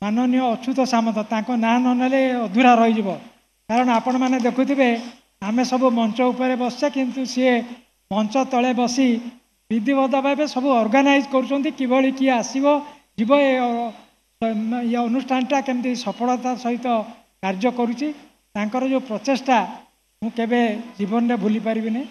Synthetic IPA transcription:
manɔnijɔːt͡ʃʰut̪ɔsamɔt̪ɔt̪aŋkɔnanɔnaleɔd̪ʱuɾaɾɔɦid͡ʒibɔ | kaɾɔɽ̃ɔapɔɽ̃ɔmaned̪ekʰut̪ʰibe | amesɔbumɔnt͡ʃɔupɔɾebɔst͡ʃʰakint̪usee | mɔnt͡ʃɔt̪ɔɭebɔsi | bid̪ʱibɔd̪ʱapajbesɔbuɔɾɡanajd͡ʒkɔɾut͡ʃʰɔnt̪ikibʱɔɭikiasibɔ | d͡ʒibɔe | eɔnusʈʰanʈakent̪isɔpʰɔɭɔt̪asɔɦit̪ɔ | kaɾd͡ʒɔkɔɾut͡ʃʰi | t̪aŋkɔɾɔd͡ʒepɾɔt̪esʈa | mũkebed͡ʒibɔnɔɾebʱulipaɾibine

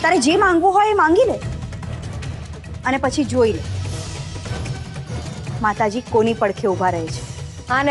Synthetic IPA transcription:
t̪aɾed͡ʒemãŋɡʋõɦojemãŋɡile | ənepət͡ʃʰid͡ʒoile | mat̪ad͡ʒikonipəɽkʰeubʱaɾəɦet͡ʃʰe̥ | ɦan

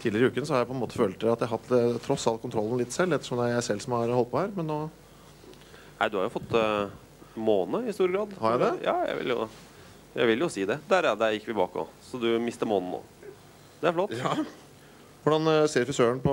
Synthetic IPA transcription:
t̪ʰiːlɪɾɪʉːkənsɔhɑɾjæpʰɔɛnmoːt̪ə̥føːlt̪̚ɑt̪jæɪɦɑt̪ːt̪ʰːɾɔsːɑlt̪kʰʊnt̪ʰɾɔlːən̩lɪt̪ːsɛlːɛt̪ːəʂɔmd̪ɛææsɛlːsɔmhɑɾhɔlt̪̚pʰɔhæːɾmɛnːoː | næ̰ɪd̪ʉhɑɾjʊfɔt̪ː | moːnəɪɪst̪uːɾəɡɾɑːd̪hɑɾjæd̪ɛjɑ̰ːjæ̰ɪʋɪ̰ljʊ̰ | jæ̰ɪʋɪljʊsiːd̪ɛd̪æɾɛd̪ɛjɪkːʋɪbɑ̰ːkɔ̰sɔd̪ʉmɪst̪əmoːnn̩o̰ː | d̪ɛæɾflɔt̪ː | ʋʊɖɑnseːɾfɾɪsøːəɳpʰɔ

